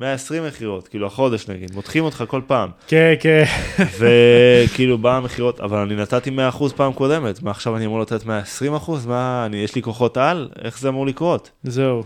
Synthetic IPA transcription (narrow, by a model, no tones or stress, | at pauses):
meaesʁimːeχiʁo̞tkiːluaχo̞de̞ʃnaɡid̪mot̪χimo̞t̪χako̞lpaːmkenkenve̞kiːlubaːmeχiʁo̞ta̰valaninatat̪ime̞aːχuzpaːmko̞de̞me̞tmaːχʃavaniamuʁlate̞t̪me̞aesʁimaχuzmaːnijeʃliko̞χo̞tale̞̰χzeamuʁlikʁo̞t | zeu